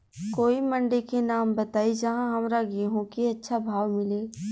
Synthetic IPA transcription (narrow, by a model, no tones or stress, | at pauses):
koːimɐ̃ɳɖekenaːmbɐt̪aːid͡ʒɐɦãɦɐmɾaɡeɦõkiɐtːʃʰabʱaːʋmɪleː